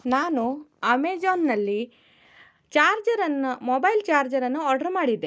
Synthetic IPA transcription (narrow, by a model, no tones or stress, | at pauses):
naːnuɐmeːd͡ʒoːnːɐlːi | t͡ʃaːɾd͡ʒɐɾɐnːɐmɔbɐjlt͡ʃaːɾd͡ʒɐɾɐnːuɔːɾɖɐɾmaːɽid̪ːe